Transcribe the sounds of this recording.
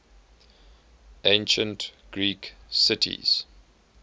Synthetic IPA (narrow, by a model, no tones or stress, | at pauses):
ʔẽɪnʃə̃ntɡ̥ɹiːksɪtʰḭz̥